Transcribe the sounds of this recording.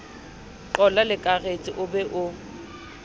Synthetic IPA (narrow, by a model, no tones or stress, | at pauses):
ǃɔlalɪkʼaɣet͡sʼɪʔʊbɛʔʊ